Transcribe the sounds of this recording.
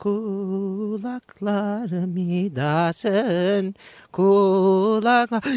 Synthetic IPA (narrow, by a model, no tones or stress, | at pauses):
ku | laklaɾəmid̪asənku | lakla